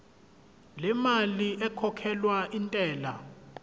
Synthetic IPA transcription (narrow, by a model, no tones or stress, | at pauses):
lɛmaliʔɛkʰɔkʰɛlwaʔintʼɛːla̰